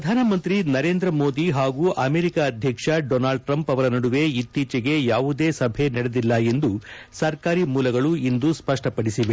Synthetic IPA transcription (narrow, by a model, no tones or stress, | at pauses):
ɾɐd̪ʱaːnɐmɐnt̪ɾinɐɾe̞ːnd̪ɾɐmoːd̪iɦaːɡuːʔɐmeːɾikaːd̪ʱjɐkʂɐɖoːnaːɭɖ̚ʈɾɐmpɐʋɐɾɐnɐɽuʋe̞it̪ːiːt͡ʃɐɡe̞jaːʋud̪eːsɐbʱenɐɽed̪ilːɐe̞nd̪usɐɾkaːɾimuːlɐɡɐɭuind̪uspɐʂʈɐpɐɽisiʋe